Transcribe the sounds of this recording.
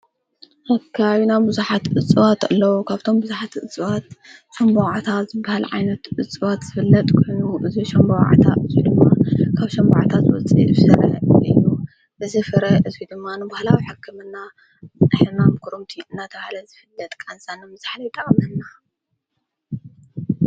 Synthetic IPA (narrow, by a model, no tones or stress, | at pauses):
ʔɐkʰːaβinabɨzuħat̪ʔɨt͡sʼɨβat̪ɨlːɐwokʰaβt̪ʰo̞mbɨzuħat̪ɨt͡sʼɨwat̪ʃɐmboʕat̪ʰatzɨbahalʕa̰jnɐt̪ʔɨt͡sʼɨβat̪z̥ɨfɨlːɐt̪ʼkʰojnuʔɨziʃɐmbowʕa̰t̪ʰa̰ʔɨzid̪ɨmːakʰaβʃɐmba̰ʕat̪ʰat̪zɨwɔ̰t͡sʼḭʔɨsɨɾɐ̰ɨ̰ju | ʔɨzifɨɾɐʔɨzid̪ɨmːanɨbahlawiħɨkʰːɨmɨnːa | ɨħɐnamɨkʰuɾumt̪ʰiɨnːat̪ʰɐβahalɐzɨfɨlːɐt̪ʼkʼansʼanːɨmɨz̥aħlɐjt̪ʼɐkʼmɨnːa